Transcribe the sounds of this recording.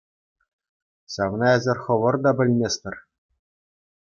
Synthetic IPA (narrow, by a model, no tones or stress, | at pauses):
ɕɑʋnɑɘ̆zʲɘ̆rʲχɤ̆ʋɤ̆rd̪ɑbʲɘ̆lʲmʲesʲt̪ʲɘ̆r